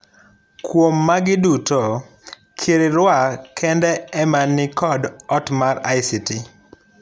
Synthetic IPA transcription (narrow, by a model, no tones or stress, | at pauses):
kwomːaɡɪduto | kʰeɾeɾwakʰɛndɛɛmanːɪkʰɔdɔtmarajsiti